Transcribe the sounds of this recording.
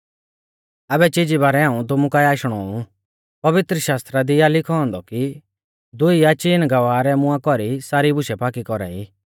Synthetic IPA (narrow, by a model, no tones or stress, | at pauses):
abɛt͡ʃid͡ʒibaːɾɛaːũt̪̬ʊmũkajaːʃɽ̃ɔu | pɐʋɪt̪ɾəʃaːst̪ɾad̪ijalɪkʰɔɔ̃nd̪ɔki | d̪ʊiat͡ʃiːnɡɐʋaːɾɛmʊ̃ãkɔɾisaːɾibʊʃɛpaːkikɔɾa̰ːḭː